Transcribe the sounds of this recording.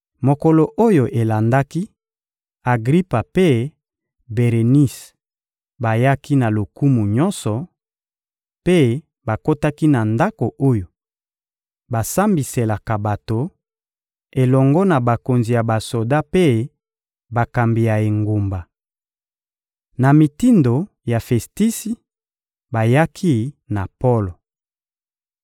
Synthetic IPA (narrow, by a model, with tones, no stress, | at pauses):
mo˨kɔ˨lo˨ʔo˦jo˨ʔe˨la˨nda˦ki˦ | a˨ɡʁi˦pa˨pe˦ | be˨ʁe˨ni˦s | ba˨ja˦ki˦na˨lo˨ku˦mu˨ɲɔ˦nsɔ˨ | pe˦ | ba˨ko˦ta˦ki˦na˨nda˦ko˨ʔo˦jo˨ | ba˨sa˦mbi˨se˨la˨ka˨ba˨to˨ | e˨lɔ˨ŋɡɔ˦na˨ba˨ko˨nzi˨ja˨ba˨so˨da˦pe˦ | ba˨ka˨mbi˨ja˨e˨ŋɡo˨mba˨ | na˨mi˨ti˦ndo˨ | ja˨fɛ˨sti˦si˦ | ba˨ja˦kʰi˦na˨pɔ˦lo˨